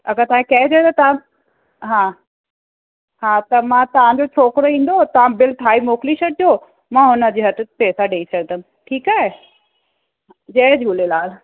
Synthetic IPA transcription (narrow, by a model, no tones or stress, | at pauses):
ɐɡət̪ɐʋãkkɐɦɪt͡ɕɐẽt̪ɐt̪ɐʋã | ɦãː | ɦaːt̪ɐmãt̪ɐʋ̤ãɲd͡ʑot͡ɕʰoːkɾoĩːn̆d̪ot̪ɐʋ̤ãbɪlʈʰaːimoːkliʃɐʈ̚oː | mãːɦʊnə̆d͡ʑeːɦɐt̪ɪ̆peːsaɖeːit͡ɕʰɐɽ̃t̪ɐm | ʈʰiːkaːɦe | d͡ʑɐɦd͡ʑʱuːlelaːl